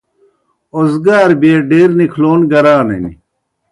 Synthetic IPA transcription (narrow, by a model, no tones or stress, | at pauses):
ozɡaːɾbeːɖeːɾnikʰloːnɡɐɾaːnɐ̰ni